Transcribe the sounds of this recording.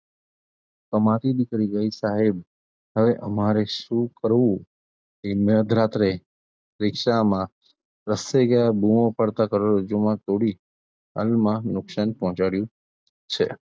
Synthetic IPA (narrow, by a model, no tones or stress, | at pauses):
kəmat̪id̪ɪkɾiɡəisaɦeb | ɦəʋeʔəmaɾeʃũkəɾʋũ | eməd̪ʱɾat̪ɾe | ɾɪkʃamã | ɾəseɡjabʱumõpəɽt̪akəɾoɾəd͡ʒomãt̪oɽi | ɦa̰lmãnʊkʃanpɔɦɔ̃t͡ʃaɽjũ | t͡ʃʰe